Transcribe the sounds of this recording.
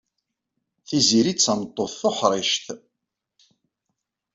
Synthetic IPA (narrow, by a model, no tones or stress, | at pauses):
θiziɾit͡sːamət̪ˤːoθːoħɾˤɪʃt̪